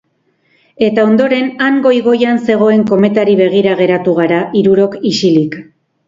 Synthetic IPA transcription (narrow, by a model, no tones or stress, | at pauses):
e̞t̪ao̞nd̪o̞ɾe̞naŋɡo̞jɣo̞janse̞ɣ̞o̞e̞ŋko̞me̞t̪aɾiβe̞ɣ̞iɾaɣ̞e̞ɾat̪uɣaɾaʔiɾuɾo̞kisilik